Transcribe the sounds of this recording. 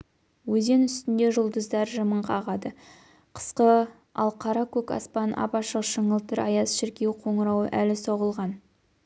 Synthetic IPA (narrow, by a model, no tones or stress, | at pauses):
wɵze̞nʏst̪ɪnd̪e̞ʒʊlˠd̪əzd̪ɑɾʒəməɴqʰɑʁɑd̪ə | qʰə̥sqə | ɑ̰lˠqʰɑɾɑkʲʰɵkɑ̰spɑnʔɑ̰pɑʃəqʃəɴəlˠt̪əɾɑjɑsʃɪɾkʲe̞wqʰo̞ɴəɾɑwə̰ʔælɪso̞ʁəlˠʁɑn